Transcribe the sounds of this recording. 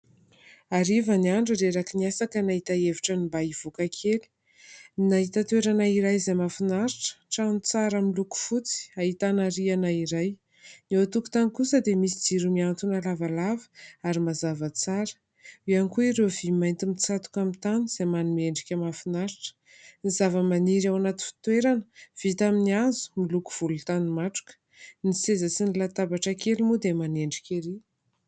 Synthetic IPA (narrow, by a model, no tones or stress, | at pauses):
aɾivəniaɳɖ͡ʐiɾeɾakiniasakənaɦit̪aeviʈ͡ʂənimbaiv̥okakʰeli̥ | naɦit̪at̪eɾanaiɾajzajmafinaɾiʈ͡ʂə̥ʈ͡ʂanit͡saɾamiluku̥fut͡si̥aɦit̪anaɾianaiɾaj | neat̪uku̥t̪anikusəd̪emisid͡ziɾumiant̪unalavalavə̥aɾimazavət͡saɾə̥ | ianikuiɾevimajnt̪imit͡sat̪u̥kamint̪aniz̥ajmanimeɳɖ͡ʐikʲamafinaɾiʈ͡ʂə̥ | nizavəmaniɾawanat̪i̥fi̥t̪weɾanə̥v̥it̪aminiazu̥miluku̥v̥ulut̪animaʈ͡ʂu̥kə̥ | nisezəsinilat̪abaʈ͡ʂakelimud̪emaneɳɖ͡ʐikʲeɾi